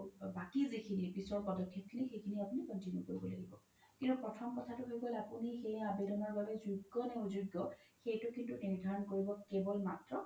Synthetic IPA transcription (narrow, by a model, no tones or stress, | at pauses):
bakizikʰinipisɔɹpɔdɔkʰːjɔt̚kʰinexekʰiniapunikɔntinjukoɹibɔla̰ɡibɔ | kintupɹɔtʰɔmkɔtʰatʊɦojɡɔlapunixejabeɾɔmaɹbalɛzuɡːɔnɛuzuɡɔxejtʊkintuniɹdʱaɹɔnkoɹibɔkebɔlmatɹɔ